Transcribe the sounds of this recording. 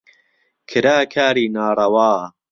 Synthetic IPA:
kʰɨɾaːkʰaːɾiːnaːrɐwaː

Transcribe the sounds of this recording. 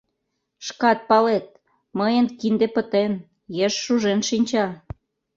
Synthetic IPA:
ʃkɑt̪̚pɑlet̪̚ | məjənkind̪epət̪en | jeʃːuʒenʃinʲt͡ɕɑ

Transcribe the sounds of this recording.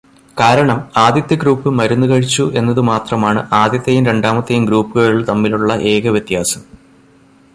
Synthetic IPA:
kaːɾɐɳɐmaːd̪jɐt̪ːjɐɡruːpːɨmɐɾunːukɐɻit͡ɕːuʔe̞nːɐðɨmaːt̪rɐmaːɳɨʔaːd̪jɐt̪ːɐjumɾe̞ɳɖaːmɐt̪ːɐjumɡɾuːpːɨɣɐɻiɭt̪ɐmːiluɭːɐʔe̞ːɡɐʋjet̪ːjaːsɐm

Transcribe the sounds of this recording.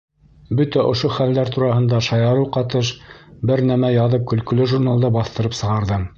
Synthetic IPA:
bɵt̪æʔŏʃoχæld̪æɾt̪uɾɑhɤ̆nd̪ɑʃɑjɑɾɤwqɑt̪ɤʃbɘɾnæmæjɑðɤp̚kɵ̆lkɵ̆lɵʒuɾnalˠd̪ɤbɑθt̪ɤ̆ɾɤpsɤ̆ʁɑɾðɤm

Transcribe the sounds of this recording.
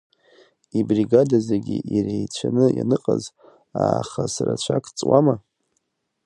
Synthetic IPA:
ibriɡadazeɡʲiʔirejt͡ɕʷʰanɨjanɨqʼaz | aːχasarat͡ɕʷʰakʼʰt͡sʼwama

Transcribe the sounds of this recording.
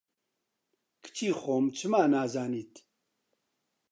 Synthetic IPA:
kʰɨ̥t͡ʃʰiːxoːmt͡ʃʰɨmaːnaːzaːniːt̪

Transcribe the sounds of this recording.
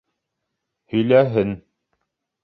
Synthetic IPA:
hɵ̆jlæɦɘn

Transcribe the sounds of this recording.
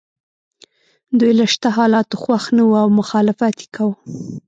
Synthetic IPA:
d̪ujlaʃt̪aɦɑlɑt̪oxwaxnawuawmʊxɑlɪfat̪je̥kawə

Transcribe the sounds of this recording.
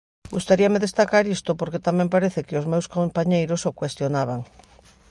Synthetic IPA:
ɡust̪aɾiameðest̪akaɾist̪opoɾket̪amɛ̃mpaɾeθɪkɪozmewskompaɲejɾosokwest̪jonaβ̞aŋ

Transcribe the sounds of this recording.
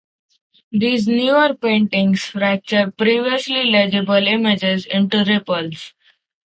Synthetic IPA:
d̪iːznjuːəɾpẽːɳʈɪ̃ŋɡsfɾæk̚t͡ʃəɾ̚pɾiːʋiəsliled͡ʒebəlɪmed͡ʒezɪ̃ɳʈuɾepəls

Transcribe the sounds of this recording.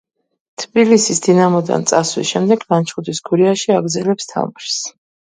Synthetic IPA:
t̪ʰbilisisd̪inamɔd̪a̰nt̪sʼaswḭsʃɛmd̪ɛɡnant͡ʃʰχud̪isɡʰuɾiaʃiaɡɾd̪zɛlɛpst̪ʰa̰vmɾs

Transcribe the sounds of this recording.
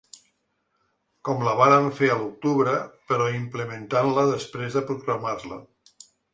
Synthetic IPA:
kɔmləβaɾəɱfeəluk̚t̪uβɾəpəɾɔimpləmənt̪anləðəspɾezðəpɾuɣɾamaɾlə̰

